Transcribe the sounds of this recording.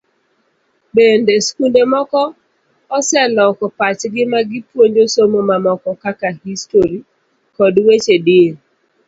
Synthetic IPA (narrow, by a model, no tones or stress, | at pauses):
bendeskundemɔkɔ | ɔsɛlɔkɔpat͡ʃɡɪmaɡɪpwoɲd͡ʒosomomamɔkɔkakahistoɾi | kɔdwet͡ʃedɪe